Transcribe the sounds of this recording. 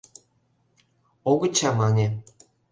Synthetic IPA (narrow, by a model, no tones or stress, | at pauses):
oɡɤ̆t͡ɕʰɑmɑnʲĕ